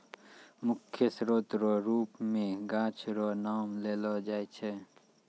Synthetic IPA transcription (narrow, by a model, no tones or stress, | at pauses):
mʊkʰːjəsɾoːt̪ɾoɾuːpmẽɡãːt͡ʃʰɾonaːmleːlod͡ʒaːet͡ʃʰe